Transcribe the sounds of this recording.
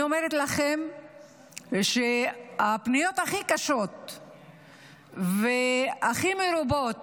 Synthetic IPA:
omeɾet̪laχem | ʃeapnijo̞t̪aχikaʃo̞t̪̚ | veaχimeɾubo̞t̪

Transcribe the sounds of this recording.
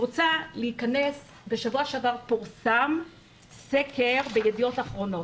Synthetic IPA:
ʁot͡saleikanes | be̞ʃavuaʃeavaʁpuʁsam | sekʰeʁbejedijo̞taχʁo̞no̞

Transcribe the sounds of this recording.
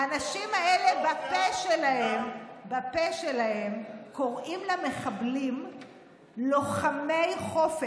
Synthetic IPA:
aanaʃimaelebapeʃelahembapeʃelahemko̞ʁimlame̞χablim | loχamejχo̞fe

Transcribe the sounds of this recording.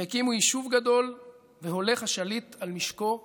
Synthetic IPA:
akimujiʃuvɡad̪o̞l | veɦo̞le̞χhaʃalit̪almiʃko̞

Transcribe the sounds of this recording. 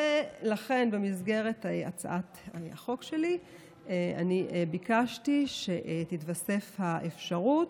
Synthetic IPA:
elaχe̞nbemizɡe̞ʁetaa̰t͡sa̰ʔataa̰χo̞kʃe̞li | ea̰niʔbikaʃtiʃeʔtitvase̞fhaʔefʃaʁut

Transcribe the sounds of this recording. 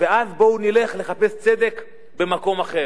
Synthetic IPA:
veazbo̞unile̞χle̞χape̞st͡se̞d̪e̞k | be̞mako̞maχe̞

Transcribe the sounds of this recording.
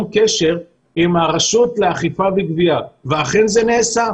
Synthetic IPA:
mkeʃe̞ʁ | imaʁaʃutleaχifaviɡviaveaχenzeneːsa

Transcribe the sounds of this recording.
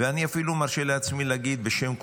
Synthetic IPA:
eaniafilumaʁʃeleat͡smilaɡid̪̚beʃe̞mk

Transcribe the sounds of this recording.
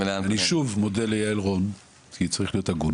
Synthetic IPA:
aaniʃuvmodelejaelʁo̞n | kʰit͡saʁiχlijo̞t̪aɡun

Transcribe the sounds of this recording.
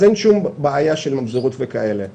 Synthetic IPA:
enʃumbeajaʃelmabzoʁutvekaele

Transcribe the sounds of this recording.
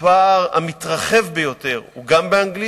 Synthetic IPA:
paʁa̰mit̪ʁaχe̞vbejo̞t̪e̞ʁuɡambeaŋɡli

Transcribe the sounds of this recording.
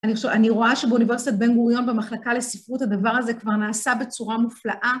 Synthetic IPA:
anioʃeaniʁo̞aʃebeunive̞ʁsit̪at̪̚be̞nɡuʁjo̞nbemaχlakale̞sifʁut̪had̪avaʁaze̞kvaʁnaːsabe̞t͡suʁamuflaʔa

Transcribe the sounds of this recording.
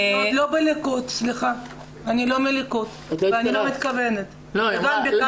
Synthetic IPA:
olobelekut̪sliχa | anilo̞melikut̪ | veanilomit̪kavenet̪ | lveɡambe

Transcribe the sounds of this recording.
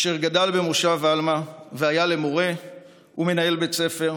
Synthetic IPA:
ʃeʁɡadalbe̞muʃavalmaveajale̞mo̞ʁe̞ | ume̞nae̞lbe̞t͡se̞fe̞ʁ

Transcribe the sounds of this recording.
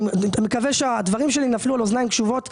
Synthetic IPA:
mekaveʃead̪vaʁimʃe̞linaflualoznaimkʃuvo̞t̪

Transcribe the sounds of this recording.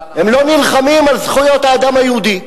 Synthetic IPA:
hemlo̞nilχamimalzχujo̞t̪haːd̪amajehud̪i

